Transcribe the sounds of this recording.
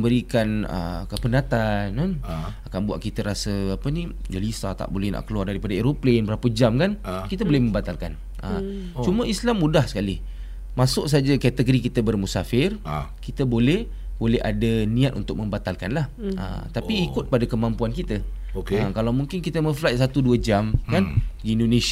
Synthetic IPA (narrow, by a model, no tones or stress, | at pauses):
mbəɾikanə̰kəpənat̪ananakanbua̰ʔkit̪əɾasəapənĩɡəlisa̰t̪a̰ʔbolɛhna̰ʔkəluardaɾipadaeɾoplenbəɾapəd͡ʒamkankit̪əbolɛhmə̃mbat̪alkan | ə̰m | t͡ʃuməislamːudahsə̥kalih | masʊʔs̬ad͡ʒakɛt̪əɡɾikit̪əbərmusa̰fɪrkit̪əbolɛh | bolɛha̰danĩat̪ʔṵnt̪ʊk̚mə̃mbat̪alkanlahə̰t̪apiikʊt̪̚padakəmampuankit̪ə | okəkalawmuŋkɪnkit̪əmə̃flat̪̚sat̪uduəd͡ʒamkanɡiindonẽs